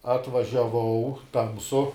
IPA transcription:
ɐtʋɐʒʲɛˈʋɐʊ ˈtɐmsʊ

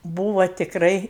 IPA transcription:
ˈbuːʋɐ tʲɪkˈrɐɪ

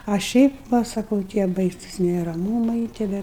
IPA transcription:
ɐ ˈʃʲɛɪp ˈʋɐ sɐˈkɐʊ tʲiɛ ˈbɐɪsʊs nʲɛrɐˈmuːmɐɪ tʲiɛ ˈʋʲɛ

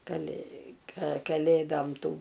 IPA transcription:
kɐˈlʲeː kɐ kɐˈlʲeːdoːm ˈtuː

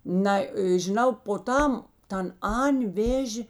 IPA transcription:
ˈnɐɪ ʒʲɪˈnɐʊ poː ˈtɐm ˈtɐn ˈɐnʲ ˈʋʲeːʒʲeː

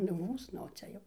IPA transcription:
nʊ ˈmuːs nʊ oː ˈt͡sʲɛ jɛʊ

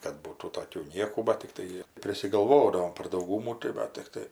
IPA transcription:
kɐt ˈbuːtuː toːˈkʲuː ˈnʲiɛkuː bɐt tʲɪkˈtɐɪ pʲrʲɪsʲɪɡɐlˠˈʋoːdɐʋoːm pɐr dɐʊˈɡuːmuː tɐɪ ˈʋɐ tʲɪkˈtɐɪ

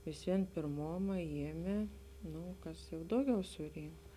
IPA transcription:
ʋʲɪsʲˈʋʲiɛn pʲeːrˈmoːmɐ ˈjiɛmʲeː ˈnuː ˈkɐs jɛʊ ˈdɐʊˌɡʲɛʊ sʊˈrʲiːŋk

